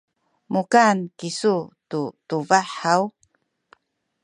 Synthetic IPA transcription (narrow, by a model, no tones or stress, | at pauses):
mukankisututuvaħaw